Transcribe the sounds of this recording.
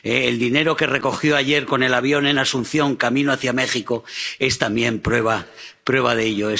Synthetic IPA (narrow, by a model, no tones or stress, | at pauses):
eːld̪ine̞ɾo̞ke̞re̞ko̞xjo̞aʎe̞ɾko̞ne̞laβ̞jo̞ne̞nasunθjo̞ŋkamĩnoaθjame̞xiko̞e̞st̪ambje̞mpɾwe̞βapɾwe̞βaðeʎo̞e